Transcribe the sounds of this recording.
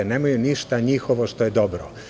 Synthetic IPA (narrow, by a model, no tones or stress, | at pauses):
eneːmajuniʃt̪aɲixoʋo̞ʃt̪o̞jed̪o̞bɾo